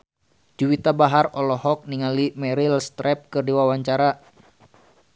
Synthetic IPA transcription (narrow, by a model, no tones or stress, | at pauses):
d͡ʒuwit̪abaɦarɔlɔhɔk̚niŋalimɛɾilst̪ɾɛp̚kɨrdiwawaɲt͡ʃaɾa